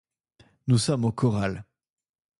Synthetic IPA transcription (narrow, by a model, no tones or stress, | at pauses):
nusɔmokɔʁal